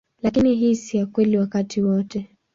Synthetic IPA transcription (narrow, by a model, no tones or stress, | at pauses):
lakiniɦisiakwɛliwakatʰiwɔtɛ